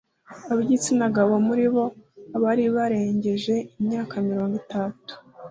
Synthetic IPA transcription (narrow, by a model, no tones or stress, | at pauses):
aβɟit͡sinaɡaβo̞muɾiβo̞aβaɾiβaɾe̞ːɲɟe̞ʒe̞imɲaːkamiɾo̞ːŋɡitatu̥